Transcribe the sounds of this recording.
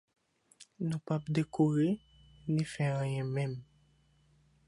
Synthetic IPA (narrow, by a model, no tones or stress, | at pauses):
nũpapd̪ekʰoʁe | nĩfɛãjɛ̃mɛ̃m